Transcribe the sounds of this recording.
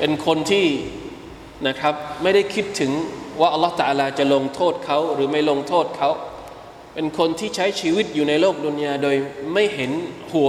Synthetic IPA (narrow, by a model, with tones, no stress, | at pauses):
pe˧nkʰo˧nt̪ʰiː˥˩ | na˦˥kʰɾa˦˥p̚ma˥˩jda˥˩jkʰi˦˥t̪ʰːɯ˩˦ŋwaː˥˩ʔa˧lːht̪a˧ʔaː˧laː˧t͡ɕa˨˩lo˧ŋt̪ʰoː˥˩t̪̚kʰa˦˥wɾɯː˩˦ma˥˩jlo˧ŋt̪ʰoː˥˩t̪̚kʰa˦˥w | pe˧nkʰo˧nt̪ʰiː˥˩t͡ɕʰa˦˥jt͡ɕʰiː˧wi˦˥t̪̚juː˨˩na˧jloː˥˩k̚duː˧njaː˧doː˧jma˥˩jɦe˩˦nhu˨˩˦